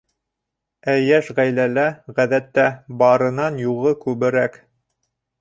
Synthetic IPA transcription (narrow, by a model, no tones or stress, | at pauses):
æjæʃʁæjlælæʁæðæt̪ːæbɑɾɤ̆nɑnjuʁɤkʉβɘ̆ɾæk